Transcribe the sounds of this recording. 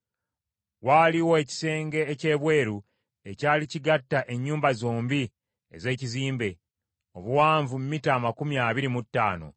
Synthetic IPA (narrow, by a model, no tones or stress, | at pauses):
waːliwo̞eci̥se̞ːŋɡe̞ːce̞ːβwe̞ːɾu | e̞caːliciɡatːaʔe̞ɲːuːmbazoːmbi | ḛze̞ːciziːmbe̞ | o̞βuwaːɱvumumitaːmakumiaβiɾimutːa̰ːno̞̰